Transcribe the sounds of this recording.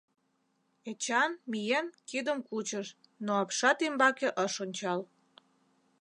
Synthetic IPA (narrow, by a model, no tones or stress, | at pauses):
et͡ɕɑnmijenkid̪əmkut͡ɕəʃ | noɑpʃɑt̪imbɑkeʔəʃonʲt͡ɕɑl